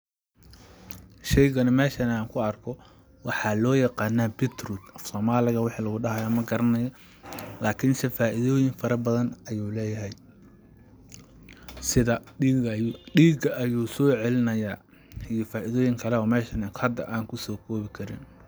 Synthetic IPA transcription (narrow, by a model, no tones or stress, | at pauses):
ʃɛjɣɐnɐmɛːʃɐnaːŋkʰʊɐrkʰɔ | wɑħɑlɔːjɐqɑːnːaːbɪt̪rud̪ɐfsɔːmaːlɪɣɐwɪħiːlɐɣʊɖɐɦɐjaːmɐɡɐɾɐnɐjɔ | laːkʰɪnsɪfaːʔɪðɔːjɪŋfɐɾɐbɐðɐnɐjuːlɛːjɐɦɛj | sɪðɐ | ɖiːɡɐʔːjuːsɔːʕɛlɪnɐjaː | ijɔfaːʔɪðɔːjɪŋkʰɐlɛɔːmɛːʃɐnɐhɐd̪ːɐʔaːŋkʰʊsɔːkʰɔːβɪkʰɐɾɪ̰n